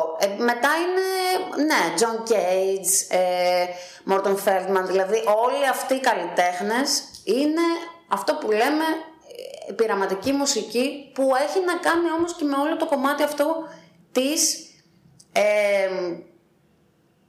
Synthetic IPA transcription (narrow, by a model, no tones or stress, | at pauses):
me̞t̪ɐinene̞d͡zo̞ŋcejd͡ze | moɾt̪onfeld̪mɐnðilɐðiʔo̞liɐft̪iːkɐlit̪e̞xnesine̞ɐft̪o̞pule̞me̞ | piɾɐmɐt̪icimusicipue̞çinɐkɐnio̞mosce̞meo̞lo̞t̪o̞ko̞mɐt̪iɐft̪o̞ | t̪is | em